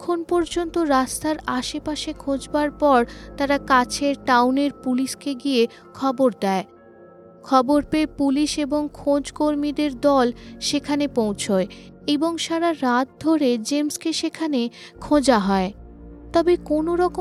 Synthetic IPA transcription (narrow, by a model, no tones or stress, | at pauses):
kʰonpɔɾd͡ʑont̪oɾast̪aɾaʃepaʃekʰõd͡ʑbaɾpɔɾt̪aɾakat͡ɕʰeɾʈawneɾpuliʃkeɡije | kʰɔboɾd̪ɛe | kʰɔboɾpepuliʃeboŋkʰod͡ʑkoɾmid̪eɾd̪ɔlʃekʰanepowt͡ɕʰoe | eboŋʃaɾaɾat̪̚d̪ʱoɾed͡ʑemskeʃekʰane | kʰõd͡ʑaɦɔe | t̪ɔbekonoɾɔko